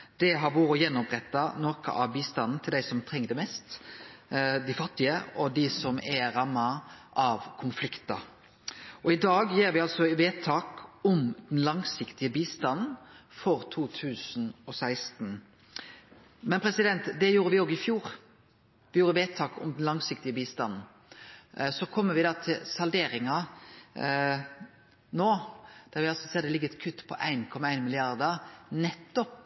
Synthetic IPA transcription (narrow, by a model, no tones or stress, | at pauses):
d̪̥ɛɦɑɾbuːɾɔjɛnːʊpɾɛt̪ːɑnokə̰ʔɑʋbiːst̪ɑnn̩t̪ʰɪld̪æɪsɔmt̪ʰɾɛŋːəd̪ɛmɛst̪ | d̪ɪfɑt̪ːɪəɔd̪ɪsɔmɛɾɑmːɑʔɑʋkʰʊnflɪkt̪ɑ | ʔɔɪd̪ɑːɡjeːɾʋɪɑlsɔʋeːt̪ʰɑːkʊmd̪̥ɛnlɑŋsɪkt̪ɪəbiːst̪ɑnn̩fɔɾt̪ʰuːt̪ʰʉːsn̩ɔsæɪst̪n̩ | mɛnpʰɾɛsɪd̪ɛnt̪d̪ɛjuːɾəʋɪoːɡɪfjuːɾ | ʋɪjuːɾəʋeːt̪ʰɑːkʊ̰md̪nlɑŋsɪk̚t̪ɪəbiːst̪ɑnn̩ | sɔkʰɔmːəɾʋɪd̪ɑːt̪ʰɪlsɑld̪eːɾɪŋɑ | noːd̪̥æʁʋɪɑlsɔseːd̪ɛlɪɡːəɛt̪kʰʉt̪ːpʰɔ̰ʔæɪnkʰɔmːɑæɪnmɪlɪɑʁd̪əʁnɛt̪ːɔp